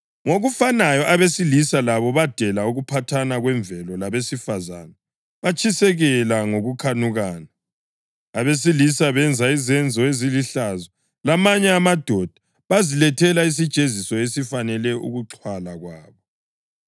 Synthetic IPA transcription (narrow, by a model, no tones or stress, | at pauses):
ŋoɣufanajɔʔaβesilisalaβɔβad̥ʱɛlauɣupʰatʰanaɣwɛɱvʱɛlɔlaβesifaza̰na | βat͡ʃʰʼisɛɣɛlaŋoɣukʰanuɣaːna | aβes̬ilisaβɛnd͡zʱaizɛnd͡zʱɔeziliɬazɔ | lamaɲɛamad̥ʱɔd̥ʱa | βazilɛtʰɛlais̬id̥t͡ʃʼezisɔesifanɛlɛṵɣuǁʰwalaɣwaːβɔ